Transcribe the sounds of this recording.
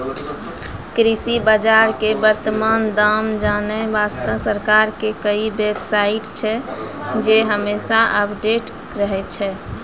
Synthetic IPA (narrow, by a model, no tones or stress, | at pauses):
kɾisibəd͡ʒaɾkebəɾt̪əmand̪amd͡ʒanəbast̪əʋsəɾkaɾkekəibebsaiʈt͡ʃʰɛ | d͡ʒeɦəmesaʔəpʰɖeʈ | ɾəɦɛt͡ʃʰɛ